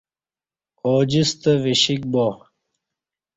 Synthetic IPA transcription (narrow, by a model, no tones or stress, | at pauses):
oːd͡ʑist̪əviɕik̚bo